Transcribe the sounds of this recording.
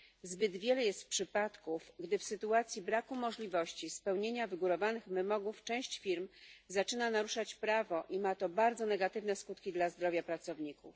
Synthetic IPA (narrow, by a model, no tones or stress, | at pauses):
zbɘd̪vʲjɛlɛjɛst̪pʂɘpat̪kufɡd̪ɘfsɘt̪uat̪sʲjibɾakumɔʐlʲivɔɕt͡ɕispɛwɲeɲavɘɡuɾɔvanɘxvɘmɔɡuft͡ʂɛ̃w̃ɕt͡ɕfʲiɾmzat͡ʂɘnanaɾuʂat͡ɕpɾavɔʔimat̪ɔbaɾd̪zɔnɛɡat̪ɘvnɛskut̪kʲid̪lazd̪ɾɔvʲjapɾat̪sɔvɲikuf